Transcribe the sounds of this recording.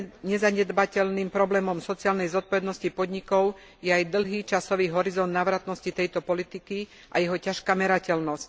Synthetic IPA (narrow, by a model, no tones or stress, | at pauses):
ɲɛzaɲɛd̪bacɛlniːmpɾɔblɛːmɔmsɔt͡siaːlnɛjzɔt̪̚pɔʋɛd̪nɔscipɔd̪ɲikɔʊ | jɛajd̪l̩ˠɦiːt͡ʃasɔʋiːɦɔɾizɔnd̪naːʋɾat̪nɔscit̪ɛjt̪ɔpɔlit̪iki | ʔajɛɦɔcaʃkaːmɛɾacɛlnɔsc